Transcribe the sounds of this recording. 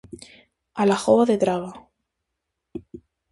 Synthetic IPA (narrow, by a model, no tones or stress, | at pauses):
alaxoβaðet̪ɾaβa